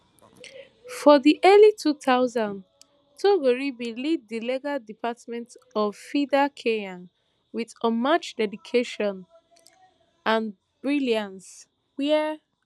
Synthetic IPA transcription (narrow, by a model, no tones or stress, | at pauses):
fɔðiʔɛlitʰuθaʊzãnd | tʰoɡoɹibiliddileɡadipʰatmɛ̃ntɔvfidakʰeãn | wiðɔmat͡ʃdɛdikʰeʃɔ̃n | ãn | bɹiliãns | wɛ